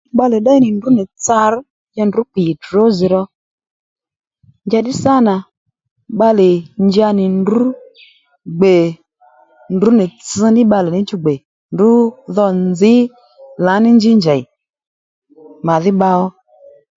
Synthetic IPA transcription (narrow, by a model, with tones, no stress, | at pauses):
ɓa˧lɛ˨ɗa˦i˦˨nɪ˨ndu˨˦ni˨t͡sa˧ɾ | jɛ˧˨ndu˨˦k͡pi˨to˨˦zi˨ɾɔ˧ | nd͡ʒa˧ɗi˦sa˦na˨ | ɓa˧lɛ˨ɲd͡ʒa˧nɪ˨ndu˨˦ | ɡ͡be˨ | ndu˨˦ni˨t͡sɨ˧nɪ˦ɓa˧lɛ˨nɪ˨˦t͡ʃu˧ɡ͡be˨ | ndu˨˦ðɔ˧nd͡zɪ˨˦ | la˨˦nɪ˦nd͡ʒi˦ɲd͡ʒa˨i˨ | ma˨ðɪ˦ɓa˧ɔ˦